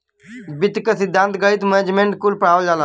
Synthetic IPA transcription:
bit̪kəsid̪ʱːãnt̪ɡəit̪mənd͡ʒmẽɳʈkulpɾaːʋəld͡ʒala

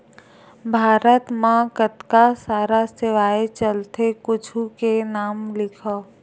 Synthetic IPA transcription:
bʱaːɾət̪mãkət̪kasaːɾaseʋaːet͡ʃəlt̪ʰekʊt͡ʃʰukenaːmlɪkʰə

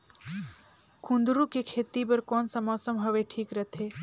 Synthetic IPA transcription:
kʰũnd̪ɾũkekʰeːt̪ip̬ɐɾkɔːnsəmɔːsəmɦɐʋeʈʰiːkɾət̪ʰeː

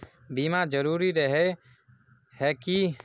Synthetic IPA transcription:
bimad͡ʒəɾuɾiɾɛɦɛ | hɛki

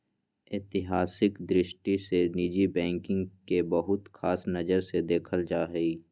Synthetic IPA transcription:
ɪt̪ɪɦaːsɪkd̪ɾɪʃʈiseniːd͡ʒibɛ̃ːŋkɪ̃ŋɡkebɐɦʊt̪xaːsnɐd͡ʒəɾsed̪eːkʰəld͡ʒaːɦəiː

